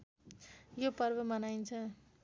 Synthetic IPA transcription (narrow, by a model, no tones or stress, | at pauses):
jopʌrbʌmʌnajnt͡sʰʌ